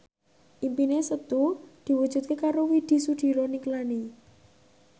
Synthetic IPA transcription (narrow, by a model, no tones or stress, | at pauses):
ʔimpinesət̪ud̪̥i̤wu̥ʒ̥ṳt̪̚kekaɾowid̪̥i̤suɖ̪̥i̤ɾɔniŋklani